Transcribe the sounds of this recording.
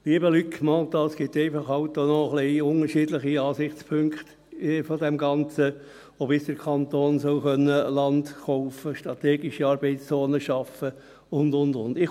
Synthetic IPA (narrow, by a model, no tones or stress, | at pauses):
liːəbəlykmɑdɑːsɡ̥ɪt̪ːeɪfɑχɑʊtːonɔχliʊnəɾʃiːdlɪχiɑːsɪχt͡spʰøŋkχt̪ | fɔd̪ɛmɡɑnt͡sə | obɪsd̥əɾkʰɑnt̪oːnsɔʊχœnːəlɑndχɔʊfəʃtɾʁɑtɛːɡɪʃiɑːɾb̥ɛɪst͡soːnəʃɑfə | ʊndʊndʊndɪχ